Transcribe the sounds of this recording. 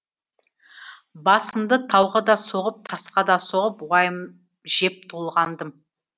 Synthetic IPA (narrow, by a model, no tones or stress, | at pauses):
bɑsəmd̪ət̪ʰɑwʁəd̪ɑso̞ʁəp̚t̪ʰɑsqɑd̪ɑso̞ʁəpwɑjm | ʒ̥e̞p̚t̪ʰolˠʁɑnd̪əm